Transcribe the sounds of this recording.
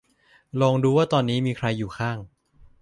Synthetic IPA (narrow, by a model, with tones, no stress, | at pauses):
lɔː˧ŋduː˧waː˥˩t̪ɔː˧nːiː˦˥miː˧kʰɾa˧jːuː˨˩kʰaː˥˩ŋ